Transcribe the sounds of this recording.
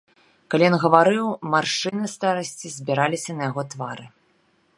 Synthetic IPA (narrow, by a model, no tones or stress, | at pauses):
kalʲijɔnɣɐvaɾɨwmarʂɨnɨst̪aɾɐsʲt͡sʲizʲbʲiɾalʲisʲɐnɐjaɣɔt̪vaɾɨ